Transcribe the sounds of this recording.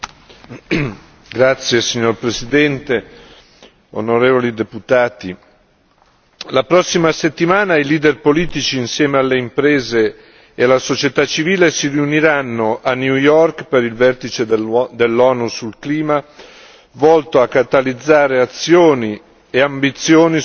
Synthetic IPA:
ɡɾat̪sːjesiɲːorpɾesid̪ɛnt̪e | o̰noɾeːvolid̪eput̪aːt̪i | lapɾɔsːimaset̪ːimaːnailiːd̪erpoliːt̪it͡ʃiːnsjɛːmealːeimpɾeːzeː | alːasot͡ʃet̪at͡ʃːiviːlesiriuniɾanːoʔanːjujɔrkpeɾilvɛrt̪it͡ʃed̪elːɔːnusulkliːma | vɔlt̪oakːat̪alid̪zːaːɾeat̪sːjoːni | eambit̪sjoːni

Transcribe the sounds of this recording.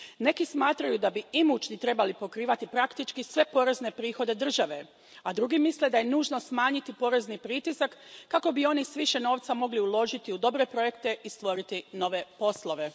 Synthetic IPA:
ne̞kismaːt̪ɾajud̪abiimut͡ʃnit̪ɾe̞balipo̞kɾiːʋat̪ipɾakt̪it͡ʃkisʋe̞po̞ɾe̞zne̞pɾiːxo̞d̪e̞d̪r̩ʒaʋe̞ | ad̪ɾuɡimisle̞d̪aje̞nuːʒno̞smaːɲit̪ipo̞ɾe̞znipɾit̪isakːako̞bio̞nisʋiʃe̞no̞ːʋt̪samo̞ɡliulo̞ʒit̪iud̪o̞bɾe̞pɾo̞je̞kt̪e̞ʔist̪ʋo̞ɾit̪ino̞ʋe̞po̞slˠo̞ʋe̞

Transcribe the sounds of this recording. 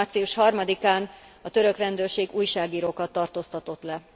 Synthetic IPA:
t̪siuʃhɒrmɒd̪ikaːnɒt̪ø̞ɾøkrɛnd̪øːrʃeːɡuːjʃaːɡiːɾoːkɒt̪ːɒrt̪oːst̪ɒt̪o̞t̪lɛ

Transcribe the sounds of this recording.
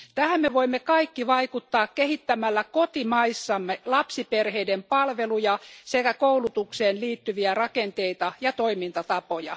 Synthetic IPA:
t̪æhæmmeʋoimːekɑikːiʋɑikut̪ːɑːkkehit̪ːæmælːækot̪imɑisːɑmːelɑpsiperheidempɑlʋelujɑsekækoulut̪ukseːnliːt̪ːyʋiærɑkent̪eit̪ɑjɑt̪oimint̪ɑt̪ɑpojɑ

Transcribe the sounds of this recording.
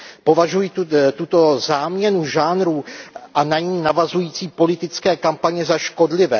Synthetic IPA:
po̞vaʒujit̪ut̪o̞zaːmɲɛnuʒaːnɾuːʔanaɲiːnavazujiːt͡siːpo̞lɪt̪ɪt͡skɛːkampaɲɛzaʃko̞dlɪvɛː

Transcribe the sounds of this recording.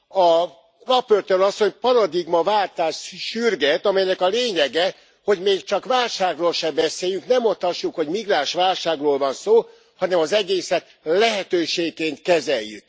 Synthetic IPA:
ɒ | ropørt̪øɾɒsːo̞ɲpɒɾɒd̪iɡmɒvaːlt̪aːʃʃyrɡɛt̪ɒmɛjnɛkɒleːɲɛɡɛ | ho̞ɟmeːkt͡ʃɒkʋaːlʃaːɡroːlʃɛbɛseːjyŋknɛmot̪ːɒʃːukho̞ɟmiɡraːʃʋaːlʃaːɡroːlvɒnsoː | hɒnɛmɒzɛɡeːsɛt̪ | lɛɦɛt̪øːʃeːɡkeːnt̪̚kɛzɛjːy̰k

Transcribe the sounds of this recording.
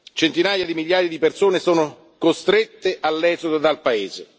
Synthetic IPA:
t͡ʃent̪inaːjad̪imiʎjaːjad̪ipersoːnesoːno | kost̪ɾet̪ːeʔalːɛːzod̪od̪alpaeːze

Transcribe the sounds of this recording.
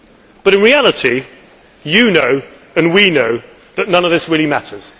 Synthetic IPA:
b̥ʌɾɨ̃nɹialətʰi | jɨnoʊ | ə̃nwinoʊ | ðəʔⁿnʌ̃nəvðɪsɹɪəlimatʰəz̥

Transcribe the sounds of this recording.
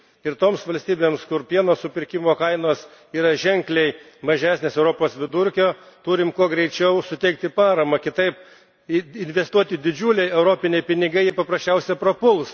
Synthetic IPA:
ɪɾt̪oːmsʋɐlʲst̪ʲiːbʲeːmskʊɾpʲiɛnoːssʊpʲɪɾʲkʲɪmoːkɐɪnoːs | iːɾɐʒʲɛŋʲklʲɛɪ | mɐʒʲæːsʲnʲeːsɛʊɾoːpoːsʋʲɪd̪ʊɾʲkʲoːt̪uːɾʲɪmkuɔɡɾʲɛɪt͡ʃʲɛʊsʊt̪ʲɛɪk̚t̪ʲɪpɑːɾɐmɐkʲɪt̪ɐɪp | ɪnʲʋʲɛst̪uɔt̪ʲɪd̪ʲɪd͡ʒʲuːlʲɛɪɛʊɾoːpʲɪnʲɛɪpʲɪnʲɪɡɐɪɪpɐpɾɐsʲt͡ʃʲɛʊsʲɛpɾopʊlˠs

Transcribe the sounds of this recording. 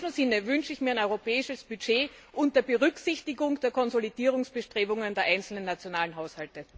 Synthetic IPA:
m̩zɪnəvʏnʃəɪçmiːɐɛnɔʏʁopɛːɪʃəsb̥yt͡ʃeːʔʊnt̚d̥ɐbəʁʏksɪçtɪɡʊŋd̥eːɐkʰɔnzolid̥iːʁ̞ʊŋsb̥əʃtʁ̥eːbʊŋəndeːɐʔaɪnt͡sl̩nənːat͡sjonaːlənɦaʊshaltə

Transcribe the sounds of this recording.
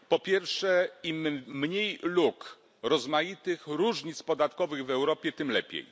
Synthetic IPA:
pɔpʲjɛɾfʂɛimɲejluk | ɾɔzmajit̪ɘxɾuʐɲit̪spɔd̪at̪kɔvɘɣvɛwɾɔpʲjɛt̪ɘmlɛpʲḛj

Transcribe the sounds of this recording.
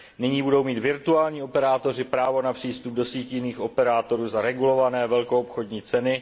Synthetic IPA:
nɪɲiːbudo̞wmiːt̪vɪɾt̪uaːlɲiːo̞pɛɾaːt̪o̞rɪpɾaːvo̞napr̝̥iːst̪ub̚do̞siːcjɪniːxʔo̞pɛɾaːt̪o̞ɾuːzaɾɛɡulo̞vanɛːvɛlko̞opxo̞dɲiːt͡sɛnɪ

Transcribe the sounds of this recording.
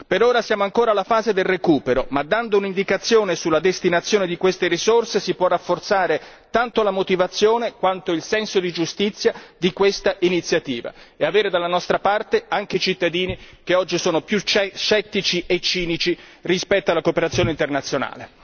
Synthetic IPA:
peɾoːɾasjaːmoaŋkoːɾalafaːzed̪elrekuːpeɾomad̪ːand̪ounind̪ikat̪sːjoːnesulːad̪est̪inat̪sːjoːned̪ikwest̪eɾizorsesipwɔrːafːort̪saːɾe | t̪ant̪olamot̪ivat̪sːjoːnekwant̪oilsɛnsod̪id͡ʒust̪it̪sːjad̪ikwest̪aʔinit̪sːjat̪iːva̰eaveːɾed̪alːanɔst̪ɾapart̪eaŋk̟eit͡ʃit̪ːad̪iːnik̟eɔd͡ʒːisoːnopjut͡ʃt͡ʃːɛt̪ːit͡ʃiʔet͡ʃːiːnit͡ʃirispɛt̪ːoalakopeɾat̪sːjoːneint̪ernat̪sjona̰ːle

